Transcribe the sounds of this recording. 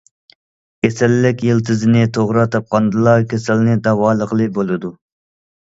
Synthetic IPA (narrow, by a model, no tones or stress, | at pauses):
kʲʰesɛlːɪkʲjelt̪ʰɨzɪnɪt̪ʰoʁɾɑt̪ʰɑp̚qɑnd̪ɨlˠɑkʲʰesɛlnɪd̪ɑwɑːlˠəqlˠɨbolˠɨd̪u